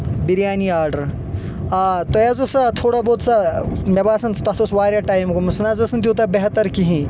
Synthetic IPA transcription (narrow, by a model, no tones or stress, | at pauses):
biɾjaːniaːɾɖɐɾ | at̪ojazosɐt̪ʰoːɽaboːt̪samɐbaːsɐnt̪ɐɦt̪osʋaːɾjaʈaːjmkomusnazɐsɐnt̪̬ʲjut̪̬ɐbeɦt̪ɐɾkiɦĩ